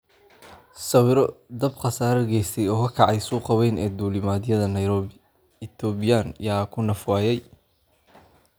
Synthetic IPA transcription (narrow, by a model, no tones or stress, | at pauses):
sɐwɪɾɔd̪ɐbqɑsaːɾɐɡɛjst̪ʰɛjɔːkʰɐkʰɑʕɑjsuːqɑwɛjnɛ̰ːd̪uːlɪmaːd̪ɪjɐðɐnɐjɾɔ | ɪt̪ʰɔːbɪjanjaːkʰʊnɐfwaːjɛj